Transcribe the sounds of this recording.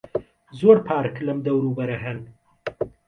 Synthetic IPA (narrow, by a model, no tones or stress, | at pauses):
zoːɽpʰaːɾklɐmd̪ɐwɾuːbɐɾɐɦɐn